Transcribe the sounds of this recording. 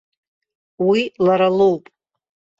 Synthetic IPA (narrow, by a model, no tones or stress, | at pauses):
wilaɾalowpʼ